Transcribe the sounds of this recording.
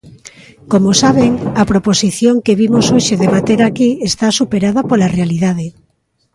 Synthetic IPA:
komosaβ̞eŋɐpɾoposiθjoŋkeβimosoʃeðeβat̪eɾakiest̪asupeɾaðapolarealiðað̞e

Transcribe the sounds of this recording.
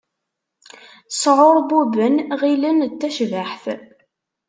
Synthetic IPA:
sʕoɾˤbubənʁilənt̪ːæʃvəħθ

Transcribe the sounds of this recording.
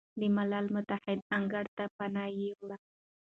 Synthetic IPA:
d̪ɪmalalmʊt̪aħɪd̪̚aŋɡaɽt̪apanajiwɽa

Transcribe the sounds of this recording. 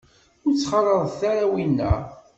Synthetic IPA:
ʊɾt͡sːχɑlˤəðˤθaɾawinːæ̰

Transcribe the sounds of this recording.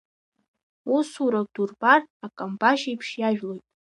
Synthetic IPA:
usuɾad̥urbarakʼambaʃiipʰʂjaʒᶣlo̞jtʼ

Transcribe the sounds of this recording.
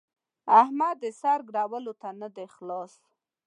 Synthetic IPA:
ahmad̪əsɑɾɡɽɑwəlot̪anad̪exlɑs

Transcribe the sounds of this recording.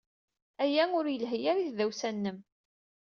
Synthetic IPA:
æjæʊɾjəlɦəjaɾiθðæwsænːəm

